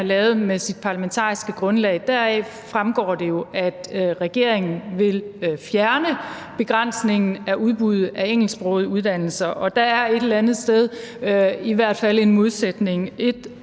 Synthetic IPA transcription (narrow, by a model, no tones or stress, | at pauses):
lɛːʊð̩ˠmesid̥̚pʰɑ̈læment͡sʰɑ̰̈ːisɡ̥əɡ̥ʁɔ̽nlɛ̰ɪd̥æɐɛ | fʁamɡ̥ɒ̰ːd̥e̝jo̝ʔæd̥ʁɛɡ̥e̝ɐ̰e̝ŋn̩ʋe̝lfjæɐnə | b̥e̝ɡ̥ʁan̰sne̝ŋn̩æʔuðˠb̥uðˠæeŋ̰l̩sb̥ʁɔ̰ðˠuð̞ˠd̥æn̰l̩sɐʔɒ̽d̥æ̈æɐe̝d̥llænð̩ˠsd̥eð̞ˠ | iʋæɐ̰d̥fæle̝nmo̝ð̞ˠsed̥ne̝ŋe̝d̥